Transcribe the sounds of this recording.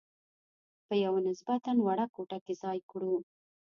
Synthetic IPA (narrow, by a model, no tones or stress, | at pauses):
pəjawanɪsbat̪anwaɽakoʈakezɑjkɽu